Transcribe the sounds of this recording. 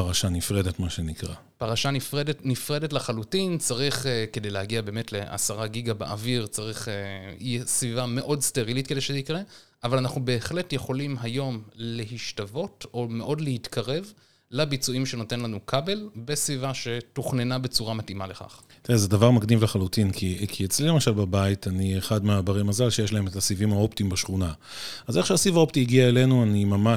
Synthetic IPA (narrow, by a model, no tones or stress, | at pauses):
aʁaʃanifʁedetmaʃenikʁa̰ | paʁaʃanifʁedetnifʁe̞detlaχalutint͡saʁiχeke̞dejlehaɡiabe̞ːme̞tle̞ʔa̰saʁaɡiɡabḛʔa̰viʁt͡saʁiχejɛsvivame̞ʔo̞dste̞ʁilitke̞d̪eʃezikʁe | avalanaχnube̞ːχle̞tje̞χo̞limɦajo̞mle̞ɦiʃtavo̞to̞me̞ʔo̞dlehit̪kʰaʁe̞v | labit͡suimʃe̞no̞te̞nlanukʰabe̞lbesvivaʃe̞tuχne̞nabe̞t͡suʁamatimale̞χa̰χ | t̪iʁezedavaʁmaɡnivleχalutinkʰikʰiet͡slilemaʃalbabaitanieχadmeabaʁimazalʃejeʃlae̞metasivimao̞ptiimbaʃχuna | azeχʃeasivao̞ptiːɡiaele̞nuanimama